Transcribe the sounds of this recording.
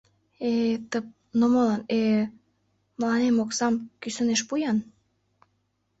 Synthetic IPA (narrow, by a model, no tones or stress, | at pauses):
et̪əp̚ | nomolɑne | mlɑnemoksɑmkysə̆neʃpujɑn